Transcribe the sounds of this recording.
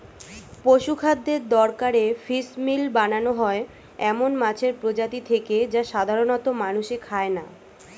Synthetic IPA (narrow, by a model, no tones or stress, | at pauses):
poʃukʰad̪ːeɾd̪ɔɾkaɾefismilbananoɦɔe | ɛmonmat͡ɕʰeɾpɾod͡ʑat̪it̪ʰeked͡ʑaʃad̪ʱaɾonɔt̪omanuʃekʰaena̰